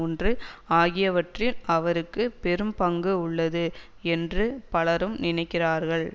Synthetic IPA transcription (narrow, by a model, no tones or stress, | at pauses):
ɔndrɯaːɣɪjɐʋɐʈrɪlɐʋɐɾɯkːɯpɛɾɯmpɐŋɡɯʊɭːɐðɯ | ɛndrɯpɐɭɐɾɯmnɪnɐɪkːɪraːɾɣɐɭ